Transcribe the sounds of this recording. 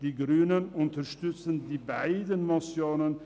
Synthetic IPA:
d̥iɡɾyːnənʊntɐʃtʏt͡səndibaɪdənmɑsjonən

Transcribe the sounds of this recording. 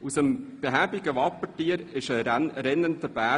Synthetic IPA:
usəmb̥eɦæbɪɡəʋɑpːətiːəɾɪʃəɾɛnːəntəb̥æː

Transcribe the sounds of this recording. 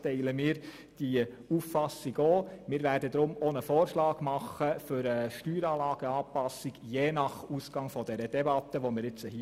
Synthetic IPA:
tɛɪləmiːɾ | d̥i | uffɑsiɡoːmɪːɾʋæːɾdəd̪ɾʊmonəfɔːɾʃlɑːɡ̥mɑχəfʏɾəʃtyːɾɑːlɑːɡ̥əɑːpɑsiɡ̥jeːnɑχusɡ̥ɑŋfɔd̥̪ɛɾəd̥ɛbɑt̪ːəʋomɪɾɪt͡səhi

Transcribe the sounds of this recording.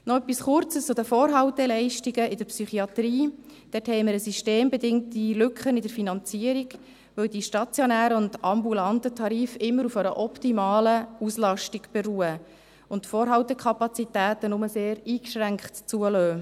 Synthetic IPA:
nɔœpːisχʊrt͡səst͡sʊd̥əfɔːɾɦɑwtɛlɛɪʃtiɡəɪd̥əɾpsyχiɑt̪ɾiːd̥ɛthɛɪməɾəsiʃteːmbedɪŋtilʏkχənɪdəɾfinɑnt͡siːəɾiɡ | ʋɵwdiʃtɑt͡sjɔnæːɾəʊndɑmbulɑntətʰɑɾiːfɪmːəɾufəɾəʔɔptimɑːləuslɑʃtiɡb̥eɾuːə | ʊntfɔːɾɦɑʊtəkʰχɑpɑt͡sitæːtənʊməseːɾiːkʃɾæŋkχtt͡suəløː

